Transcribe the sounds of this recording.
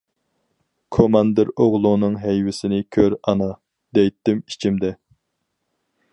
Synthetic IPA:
kʰomɑnd̪ɨɾoʁlˠunɨŋɦɛjwɪsɪnɪkʲʰøɾɑnɑ | d̪̥ɛjt̪ːɪmit͡ʃʰimd̪ɛ

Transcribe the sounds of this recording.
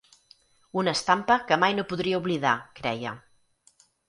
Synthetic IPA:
unəst̪ampəkəmajnopuðɾiəuβliða̰kɾɛ̰jə̰

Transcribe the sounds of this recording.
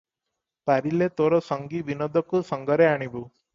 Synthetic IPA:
paɾilet̪oɾɔsɔŋɡibinɔd̪ʱɔkusɔŋɡɔɾeaɽ̃ibu

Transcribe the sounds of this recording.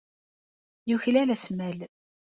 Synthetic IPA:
juçlælæsmæl

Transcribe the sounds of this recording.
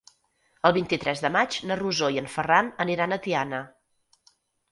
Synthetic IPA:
əlˠβint̪it̪ɾɛzðəmad͡ʒnəruzojəɱfəranəniɾanət̪ianə

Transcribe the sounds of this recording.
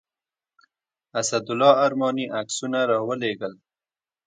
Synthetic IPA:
asad̪ʊlɑaɾmɑniʔaksunaɾɑwəleɡəl

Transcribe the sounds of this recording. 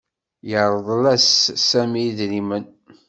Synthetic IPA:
jəɾˤəðˤlæsːæmiðnimən

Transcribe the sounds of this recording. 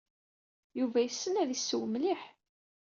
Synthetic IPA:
juvæjəsːənæðisːəwəmliħ

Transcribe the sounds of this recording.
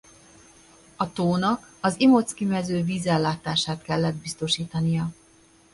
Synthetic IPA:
ɒt̪oːnɒkɒzimo̞t̪skimɛzøːviːzɛlːaːt̪aːʃaːt̪kɛlːɛd̪̚bist̪o̞ʃiːt̪ɒnijɒ

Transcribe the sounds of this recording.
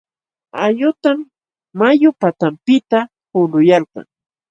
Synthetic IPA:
ajʊt̪amː | ajʊpat̪ampɪt̪a | pʊlʊjalqɑ̰ŋ

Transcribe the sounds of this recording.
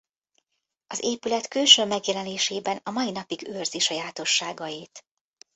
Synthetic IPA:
ɒzeːpylɛt̪kylʃøːmɛɡjɛlɛneːʃeːbɛnɒmɒjinɒpiɡøːrziʃɒjaːt̪o̞ʃːaːɡɒjiːt̪

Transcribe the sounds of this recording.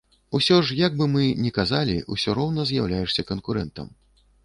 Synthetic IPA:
usʲɔʐjaɡ̚bɨmɨnʲɛkazalʲḭṵsʲɔɾɔwnɐzʲjawlʲajɛʂsʲɐkɐnkuɾɛnt̪ɐ̰m

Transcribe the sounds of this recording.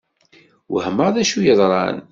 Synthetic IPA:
whəməʁðæʃujəðˤɾˤɑ̰n

